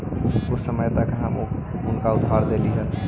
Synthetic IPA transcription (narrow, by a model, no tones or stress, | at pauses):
ʊsəməjt̪əkɦəmʊnkaʊd̪baɾd̪eliɦən